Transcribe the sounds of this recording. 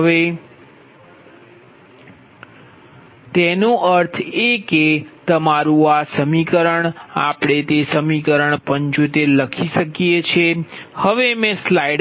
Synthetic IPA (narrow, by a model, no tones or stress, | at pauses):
ʋe | t̪enũʔəɾt̪ʰeket̪əmaɾũasəmikəɾəɳapɽ̃et̪esəmikəɾəɳpəɲt͡ʃut̪eɾləkʰiʃəkjet͡ʃʰehəʋemẽslaiɖ